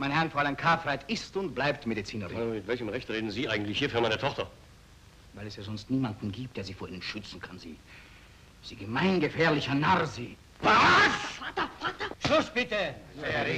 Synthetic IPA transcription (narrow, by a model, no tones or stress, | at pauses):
maɪnəhɛɐʁnfoɐalankʰaːfʁatɪstʊnt̚b̥laɪp̚tmedit͡siːnəʁɪmɪtvɛlçəmʁɛçtʁeːdn̩ziːʔaɪɡŋ̩tlɪçhiːɐfyːɐmaɪnətʰɔχtɐ | vaɪlɛsjaːzɔnstniːmandn̩ɡiːp̚t̚eːɐziːfoːɐiːnənʃʏt͡sn̩kʰanzḭː | z̥iːɡəmaɪnɡəfɛːɐlɪçɐnaʁzi | vas | ʃʊsb̥ɪtə